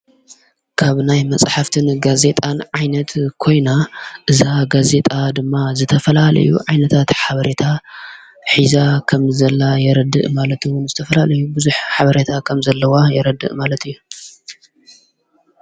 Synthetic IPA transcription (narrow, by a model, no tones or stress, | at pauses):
kʰaβnajmɐt͡sʼħaft̪ʰɨnɡaze̞t̪ʼanʕajnɐt̪kʰo̞jnaʔɨzaɡaze̞t̪ʼad̪ɨmːazɨt̪ʰɐfɐlalɐ̰jṵʕajnɐt̪ʰat̪ħaβɐɾet̪ʰa | ħizakʰɐmzɐlːajɛɾɐd̪ɨ̰ʔmalɐt̪ʰuwʊnzɨt̪ʰɐfɐlalɐjubɨzuħħaβɐɾet̪ʰakʰɐmzɐlːɐwajɛɾɐd̪ːɨ̰ʔmalɐt̪ʰɨjːu